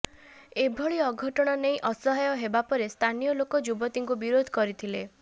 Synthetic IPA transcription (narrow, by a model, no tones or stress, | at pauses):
ebʱɔɭiɔɡʱɔʈɔɽ̃ɔnej̃ʔɔsɔɦajɔɦebapɔɾest̪ʰanijɔlokɔd͡ʒubɔt̪iŋkubiɾod̪ʱɔkɔɾit̪ʰile